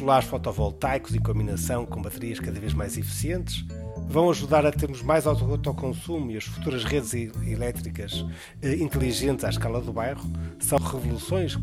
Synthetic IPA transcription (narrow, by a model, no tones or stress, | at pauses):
lˠaɾʃfɔt̪ɔvɔlˠt̪ajkuzikõmbinɐsɐ̃w̃kõbɐt̪ɨɾiɐʃkɐðɐveʒmajzifi̥siẽnt̪ʃvɐ̃w̃ɐʒuðaɾɐt̪eɾmuʒmajzawt̪ɔʁut̪awkõsumuiɐʃfu̥t̪uɾɐʃʁeðzilˠɛt̪ɾikɐʃ | ɛĩnt̪lˠiʒẽnt̪z̥aʃkalˠɐðuβajʁusɐ̃w̃ʁɨvulˠusõj̃ʃ